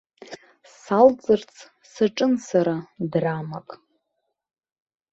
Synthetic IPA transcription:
salt͡sʼɨrt͡sʰ | saʈ͡ʂʼɨnsaɾadramakʼ

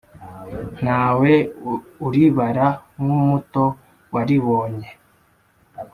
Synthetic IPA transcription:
n̥aːweuɾiβaɾamumuto̞ | waɾiβo̞ːɲe

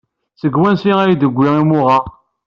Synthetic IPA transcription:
səɡwænsiæjid̪əɡʷːiʁimʊʁɑ

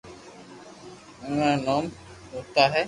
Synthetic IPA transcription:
unanɔːm | ut̪aɦɛ

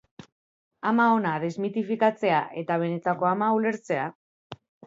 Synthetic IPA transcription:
amao̞naðe̞zmit̪ifikat͡se̞aʔe̞t̪aβ̞e̞ne̞t̪ako̞amaule̞ɾt͡se̞a

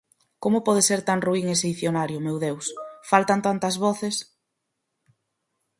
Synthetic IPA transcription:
komʊpɔð̞eseɾt̪aŋruiŋesejθjonaɾjʊmewðewsfalt̪ant̪ant̪ɐzβɔθes

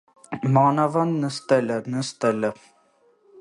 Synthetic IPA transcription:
mɑːnɑvɑnːəst̪ɛlənəst̪ɛlə

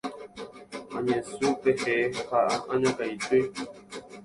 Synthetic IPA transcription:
a̰ɲɛ̃suʔpɛhɛhaʔaaɲãkaite

